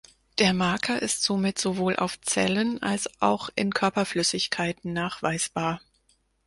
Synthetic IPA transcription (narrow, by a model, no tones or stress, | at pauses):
d̥eːɐmaɐkʰɐʔɪstz̥omɪtz̥ovoːlʔa̰ʊft͡sɛ̰ləna̰lsʔa̰ʊxʔɪ̰nkʰœɐpɐflʏsɪçkʰaɪtn̩naːχv̥aɪsb̥aːɐ